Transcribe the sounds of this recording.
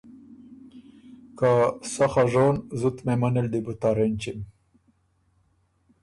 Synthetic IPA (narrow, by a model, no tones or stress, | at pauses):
kasaxaʐonzut̪memaneld̪ibut̪aɾent͡ʃim